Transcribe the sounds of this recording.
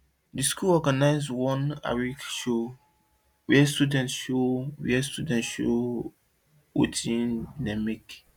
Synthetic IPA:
diskulɔɡanaɪzwɔ̃na̰ɹikʃo | wiɛstudɛ̃ntʃowiɛstudɛ̃ntʃo̰ | o̰tʰĩnnãmik

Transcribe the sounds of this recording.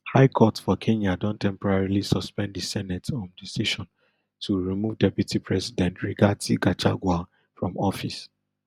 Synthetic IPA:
haɪkʰɔtfɔkʰẽnadɔ̃ntʰɛ̃mpɔɹaɹilisɔspɛ̃nddisɛnɛtɔ̃ndisiʃɔ̃n | tʰuɹimuvdɛpjutʰipʰɹɛsidɛ̃ntɹiɡatiɡat͡ʃaɡwa | fɹɔ̃mɔfis

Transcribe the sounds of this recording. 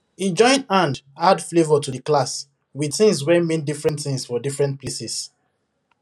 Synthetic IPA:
id͡ʒɔ̃ɪ̃ndãndadflevɔtuðəklas | wiθĩŋswɛmĩndifɹɛ̃ntθĩŋsfɔdifɹɛ̃nt̚pʰlesis

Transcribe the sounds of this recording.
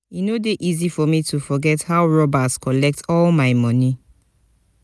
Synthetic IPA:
inodeʔizifɔmitʰufɔɡɛthawɹɔbaskɔlɛk̚tʰɔlmaɪmɔ̃ni

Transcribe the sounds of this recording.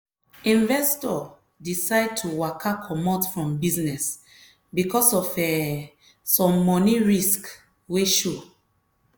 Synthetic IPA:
ĩnvɛstɔ | disaɪd̚tʰuwakʰakʰɔmɔtfɹɔ̃mbiznɛs | bikʰɔsɔfɛ | sɔ̃mːɔniɹisk | weʃo

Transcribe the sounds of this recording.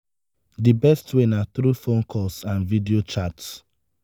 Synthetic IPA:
dibɛstʰwenaθɾufõnkʰɔsãnvidiot͡ʃats

